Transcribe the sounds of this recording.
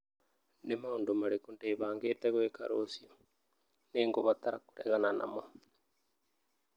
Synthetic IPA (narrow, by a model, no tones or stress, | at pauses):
nemaondomaɾekondeːβaːŋɡeːteɣweka̰ɾosio | neːŋɡoβat̪aɾaku̥ɾɛɣanana̰mo